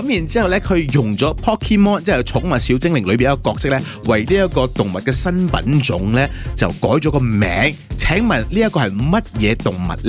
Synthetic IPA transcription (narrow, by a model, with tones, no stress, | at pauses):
kɐ˧˥mji˨˩nt͡siː˥hɐ˨wlɛ˥kʰɵ˨˧ɥjʊ˨˩ŋt͡sɔː˨˥pʰɔː˥kʰːi˥mɔː˥nt͡sɛ˥ɛ˨˧t͡sʰʊ˨˥ŋmaː˨siː˨˥wt͡sɪ˥ŋlɪ˨˩ŋlɵ˨˧pi˨nɐ˥kɔː˧kɔː˧k̚sɪ˥k̚lɛ˥ | wɐ˨jliː˥jɐ˥t̚kɔː˧t̪ʊ˨˩ŋmɐ˨t̚kɛː˧sɐ˥npɐ̰˨˥nt͡sʊ˨˥ŋlɛː˥t͡sɐ˨wkɔː˨˥jt͡ʃɔ˨˧˥kɔ˧mɛ̰ː˨˥ŋt͡sʰɛː˨˥ŋmɐ˨˩nliː˥jɐ˥t̚kːɔː˧hɐ˨jmɐ˥t̚jɛː˨˧t̪ʊ˨˩ŋmɐ̰˨˩t̚lɛ˥